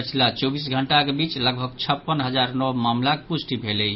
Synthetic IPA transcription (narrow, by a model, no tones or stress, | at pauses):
ət͡ʃʰilat͡ʃobis̬ɡʱəɳʈakebit͡ʃləɡbʱət͡ʃʰəpːənɦəd͡ʒaɾnɔmamlakepusʈibʱelɛj